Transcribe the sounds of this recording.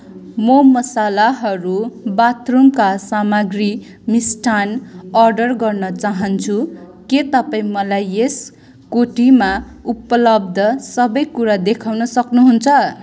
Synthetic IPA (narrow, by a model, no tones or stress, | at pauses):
mʌmʌsalaɦʌɾubat̪rumkasamaɡri | misʈʰanʌrɖʌrɡʌrnʌt͡saɦʌnt͡sʰuket̪ʌpaĩmʌlajes | koʈima | upʌlʌbd̪ʱʌsʌbʌjkuɾad̪ekʰawnʌsʌknuɦunt͡sʰʌ